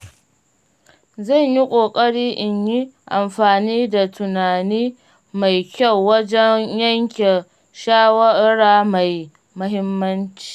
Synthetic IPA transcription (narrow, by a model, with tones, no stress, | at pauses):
zɐ˦˨ɲji˦kʷʼoː˨kʼɐ˦ɽiː˦ʔɪ˨ɲji˦ʔa̰˨mɸaː˨niː˦da˨tʰʊ˨naː˨niː˦ | ma˨jkʲɐ˦˨wːɐ˦d͡ʒɛ˦ɲjɐ˦ŋkʲe˨ | ʃaː˦wɐ˦ɽaː˦ma˨j | mʊ˦ɦɪ˦mːɐ˦nt͡ʃi̥ː˦